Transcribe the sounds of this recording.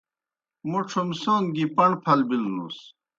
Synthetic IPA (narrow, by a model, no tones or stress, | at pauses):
muʈ͡ʂʰomsoːnɡipɐɳɖpʰɐlbilnṵs